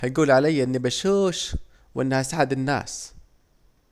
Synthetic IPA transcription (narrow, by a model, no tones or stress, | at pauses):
hajɡuːlʕalajːaʔɪnːibaʃuːʃ | wʔɪnːhasaʕad̪ɪnːa̰ːs